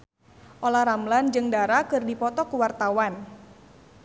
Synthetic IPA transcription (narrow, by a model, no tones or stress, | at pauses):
ʔolahɾamland͡ʒɨŋdaɾakɨrdipɔt̪ɔkuwart̪awan